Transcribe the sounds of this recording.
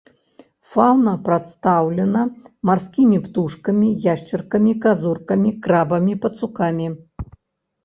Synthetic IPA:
fawnɐpɾat̪st̪awlʲɛnɐmarskʲimʲipt̪uʂkɐmʲijaʂt͡ʃɐrkɐmʲikazurkɐmʲikɾabɐmʲipɐt̪sukamʲi

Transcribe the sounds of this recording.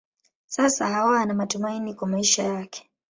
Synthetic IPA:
sasa̰hawaanamatumainikwamaiʃajakʰɛ̥

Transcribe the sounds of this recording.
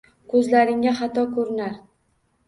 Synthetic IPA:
kʰɵzlaɾɪŋaχat̪ɒkʰɵɾɪnaɾ

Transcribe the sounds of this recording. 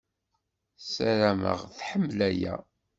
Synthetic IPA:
sæɾæmə̰ʁθħəmːlæjæ̰

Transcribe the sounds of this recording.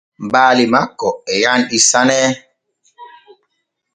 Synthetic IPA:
m̩baːlimakɔɛjanisanɛ

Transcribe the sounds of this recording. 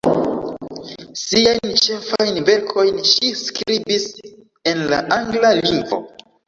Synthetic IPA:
siajnt͡ʃe̞fajnve̞ɾkʰo̞jnʃiskɾibis | e̞nla̰ʔaŋɡlaliŋɡvo̰

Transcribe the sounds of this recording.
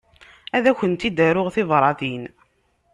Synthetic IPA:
æðæçənt̪id̪æɾʊʁθɪðˤɾˤɑθin

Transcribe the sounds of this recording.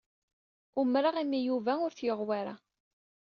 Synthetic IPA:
umɾaʁæmːijuvæʊɾθjəʁwaɾa̰

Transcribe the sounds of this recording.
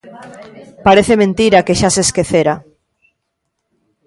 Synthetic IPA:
paɾeθemẽnt̪iɾakeʃaseskeθeɾa

